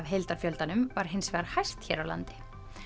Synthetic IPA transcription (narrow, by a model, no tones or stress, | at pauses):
vɦejlt̪aɾ̥fjœlt̪anʏmvaɾ̥ɦɪnsvɛɣaɾ̥hajst̪çɛːɾawla̰nt̪ɪ̥